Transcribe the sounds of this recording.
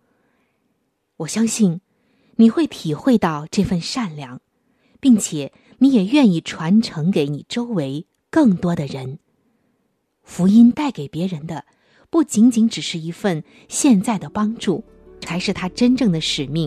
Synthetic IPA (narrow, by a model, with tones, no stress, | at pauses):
wɔ˨˩ɕjɑ˥ŋɕi˥˩n | ni˨˩xwe˥˩ɪt̪ʰi˨˩xwe˥˧ɪt̪ɑ˥˧ʊʈ͡ʂɤ˥˧fə˥˧nʂa˥˩nljɑ˧˥˦ŋ | pi˥˩ŋt͡ɕʰjɛ˨˩˦ | ni˧˥jɛ˨˩ɥɛ˥˧ni˥˩ʈ͡ʂʰwa˧˥nʈ͡ʂʰɤ˧˥ŋke˧˥ɪni˨˩ʈ͡ʂo˥ʊwe˧˥ɪ | kɤ˥˩ŋt̪wɔ˥d̪ə˨ɻə˧˥n | fu˧˥i˥nt̪a˥˩ɪke˨˩ɪpjɛ˧˥ɻə˧˥nd̪ə˧ | pu˥˩t͡ɕi˧˥ŋt͡ɕi˧˥ŋʈ͡ʂɻ̩˨˩ʂɻ̩˥˩i˧˥fə˥˧n | ɕjɛ˥˧nt͡sa˥˩ɪd̪ə˩pɑ˥ŋʈ͡ʂu˥˩ | t͡sʰa˧˥ɪʂɻ̩˥˩t̪ʰa˥ʈ͡ʂə˥nʈ͡ʂɤ˥˩ŋd̪ə˩ʂɻ̩˨˩mi˥˩ŋ